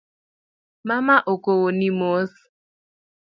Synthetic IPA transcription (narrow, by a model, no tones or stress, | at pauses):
mamaʔokowonimos